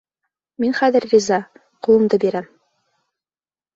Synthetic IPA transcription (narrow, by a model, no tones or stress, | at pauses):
minχæðɘɾːʲizɑ | qŭlˠɤ̆md̪ɤbiɾæm